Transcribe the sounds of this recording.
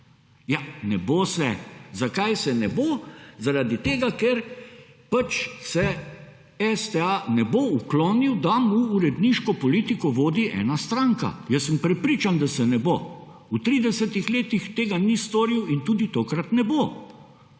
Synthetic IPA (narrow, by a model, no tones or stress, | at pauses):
janɛbosɛzakajsɛnɛbozaɾad̪it̪eːɡakɛɾpat͡ʃsɛ | ɛst̪ɛanɛboukloːniwd̪amuːɾɛd̪niʃkɔpɔliːt̪ikɔʋoːd̪iʔɛ̰ːnast̪ɾaŋka̰jəsːəmpɾɛpɾiːt͡ʃand̪asɛnɛbo | ut̪ɾiːd̪ɛsɛt̪ixleːt̪ixt̪eːɡanist̪ɔːɾiwint̪uːd̪it̪oːkɾat̪nɛbo